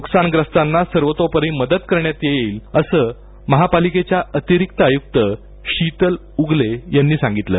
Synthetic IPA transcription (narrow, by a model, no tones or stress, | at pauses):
nuksanɡɾəst̪anːasəɾʋət̪opəɾiməd̪ət̪kəɾɳjat̪jeeːləsəː | məɦapaliket͡ɕjaət̪iɾik̚t̪əəjuk̚t̪ə | ɕit̪əl | uɡlejanːiːsãŋɡit̪lə̰ː